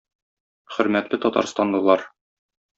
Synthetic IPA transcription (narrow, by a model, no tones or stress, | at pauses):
χɵ̆ɾmæt̪lɘt̪ɒt̪ɑ̰ɾst̪ɑnd̪ɤ̆lˠɑɾ